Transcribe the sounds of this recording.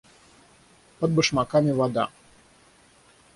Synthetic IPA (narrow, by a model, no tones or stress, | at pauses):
pəd̪̚bɨʂmakamʲɪvad̪a̰